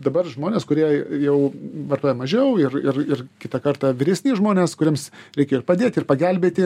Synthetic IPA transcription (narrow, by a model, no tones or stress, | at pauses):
d̪ɐbɐrʒmoːnʲeːskʊɾʲiɛjɛʊʋɐrt̪oːjɛmɐʒʲɛʊɪrɪrɪrkʲɪt̪ɐkɐrt̪ɑːʋʲɪɾʲɛsʲnʲiːʒmoːnʲeːskʊɾʲemsɾʲɛɪkʲeːjoɪrpɐd̪ʲeːt̪ʲɪrpɐɡʲælʲbʲeːt̪ʲɪ